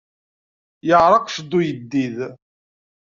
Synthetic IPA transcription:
jəʁɾˤɑqʃəd̪ːujəd̪ːið

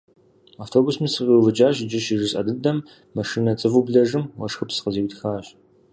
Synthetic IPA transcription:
aːftʰoːbusmisɨqiwvɨd͡ʒaːɕd͡ʒɪʃɪʐɨsʼɐ̰dɨdɐmː | ɐʂiːnɐt͡sʼɨvubɮɐʐɨmwɐʂxɨpsɨ̥qəziːwtxaːɕ

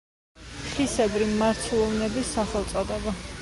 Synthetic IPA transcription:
χisɛbɾimaɾt̪ʰulˠɔvnɛbisːaχɛlˠt̪sʼɔd̪ɛba

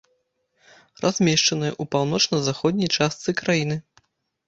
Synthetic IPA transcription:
rʔazʲmʲɛʂt͡ʂɐnɨjɛ̰ʔupawn̪ɔt͡ʂnɐzaxɔd̪ʲnʲɐjt͡ʂast̪sɨkɾajinɨ

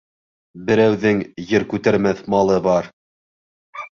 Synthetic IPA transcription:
bɘ̆ɾæwðɘŋjɘɾkʉt̪æɾmæθmɑlˠɤbɑɾ

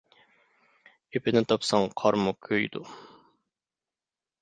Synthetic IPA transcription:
epʰɪnɪt̪ʰɑpsɑŋqʰɑɾmukʲʰøjd̪u

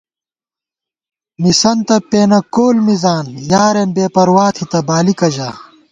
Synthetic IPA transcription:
misɐnt̪ɐpeːnɐkoːlmizaːnjaːɾenbeːpɐɾwaːt̪ʰit̪ɐbaːlikɐʑaː

